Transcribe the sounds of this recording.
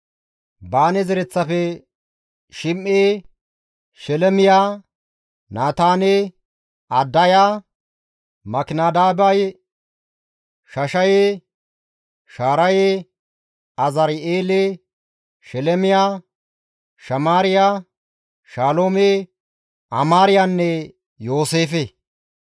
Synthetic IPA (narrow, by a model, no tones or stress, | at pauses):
baːnɛzɛɾɛt͡sːɐfɛ | ʃɪmʔeː | ʃɛlɛmɪjaː | naːt̪aːneː | ɐd̪ːɐjaː | mɐkɪnaːd̪aːbɐj | ʃɐʃɐjeː | ʃaːɾɐje | ɐzɐɾeːleː | ʃɛlɛmɪjaː | ʃɐmaːɾɪjaː | ʃaːloːme | ɐmaːɾɪjanːɛ | jo̞ːseːfe